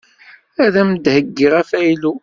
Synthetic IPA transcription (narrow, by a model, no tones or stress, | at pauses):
æðæmd̪həɡːiʁæfæjlu